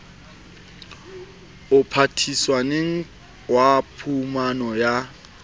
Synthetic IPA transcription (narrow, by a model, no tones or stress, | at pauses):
ʊpʰatʰiswaneŋ̩ | wapʰumanɔja